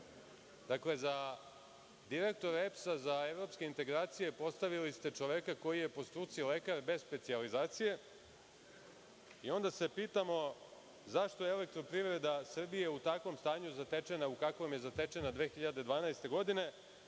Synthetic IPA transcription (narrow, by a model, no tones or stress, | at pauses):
d̪̥akle̞za | d̪iɾe̞k̚t̪o̞ɾepsazae̞ʋɾo̞pske̞int̪eɡɾaːt̪sije̞po̞st̪aʋilist̪e̞t͡ʃo̞ʋe̞kako̞jije̞po̞st̪ɾut̪sile̞kaɾbe̞zspe̞t̪sializaːt̪sije̞ | io̞nd̪ase̞piːt̪amo̞ | zaʃt̪o̞jeelek̚t̪ɾo̞pɾivɾe̞d̪asr̩bije̞ut̪akʋo̞mst̪aːɲuzat̪e̞t͡ʃe̞naukakomje̞zat̪e̞t͡ʃe̞nad̪ʋe̞ːxiʎad̪e̞d̪ʋaːnajst̪e̞ɡo̞d̪ine̞